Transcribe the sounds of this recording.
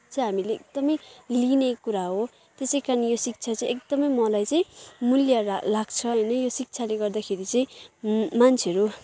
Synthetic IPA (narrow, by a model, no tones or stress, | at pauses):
t͡sʌj̃ɦamileekd̪ʌmʌjlinekuɾaɦo | t̪esʌjkanijosik̚t͡sʰat͡saĩek̚d̪ʌmʌjmʌlajt͡sʌĩmuljalaɡt͡sʰʌɦʌjnʌjosik̚t͡sʰaleɡʌrd̪akʰeɾit͡sʌĩmant͡sʰeʌɾu